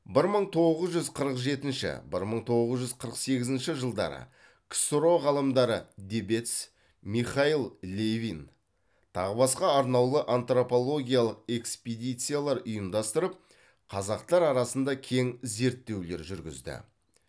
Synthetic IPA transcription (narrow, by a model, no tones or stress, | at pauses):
bɪɾməɴt̪ʰo̞ʁəzʒʏzqʰəɾəqʒe̞t̪ɪnʃɪ̰bɪ̰ɾməɴt̪ʰo̞ʁəzʒʏzqʰəɾəqse̞ɡʲɪzɪnʃɪʒəlˠd̪ɑ̰ɾə̰ | ksuɾo̞ʁɑlˠəmd̪ɑɾəd̪ʲebet̪s | miχɑilˠlʲevʲin | t̪ʰɑ̰ʁəbɑsqɑːɾnɑwlˠəʔant̪ro̞po̞lˠo̞ɡʲijalˠəqe̞ksped̪ijt̪sɨjalˠɑɾʊjəmd̪ɑst̪əɾəp̚ | qʰɑzɑqt̪ɑɾɑɾɑsənd̪ɑkʲʰe̞ŋze̞ɾt̪ːe̞wle̞ɾʒʏɾɡʲɪ̰zd̪ɪ̰